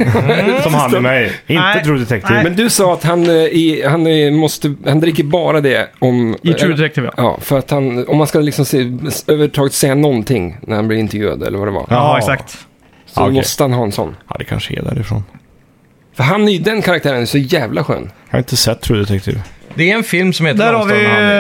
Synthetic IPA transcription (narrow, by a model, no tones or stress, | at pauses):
sɔmhamɛjɪnt̪ət̪ʰɾuːd̪ɛt̪ɛk̚t̪ʰiːvmɛnd̪ɵsɑːat̪hanɪhanmɔst̪əhand̪ɾɪkːəɾbɑːɾad̪ɛɔmʰɾuːɛt̪ɛk̚t̪iːv̰jɑ̰ːfœɾat̪hanɔmːanskalɪksɔmsɛøːvəʈʰɑːɡət̪sɛjːanɔnt̪ʰɪŋnæɾhanblɪɾɪnt̪ɛɾjʉ̟ːa̰d̪ɛ̰lːəɾvad̪ɛva̰ɑɛksak̚t̪ | sɔd̪ɛmɔst̪əhanɦɑːɛnsɔ̰nːɑ̰d̪ɛkʰa̰nʂəɛ̰d̪æ̰ːɾɪfɾo̰ːn | fœɾɦanæɾjd̪ɛnkʰaɾakt̪ʰæːɾənæsɔjæːvlaɧø̰ːnhɑ̰ɾɪnt̪əsɛt̪ʰːɾuːd̪ɛt̪ɛkt̪ʰḭːvd̪ɛɛnfɪlmsɔmheːt̪d̪æːɾhaɾvɪ